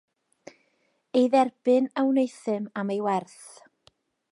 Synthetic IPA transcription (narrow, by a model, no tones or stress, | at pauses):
ejðɛrb̥ɨnawnejθɨmamejwɛrθ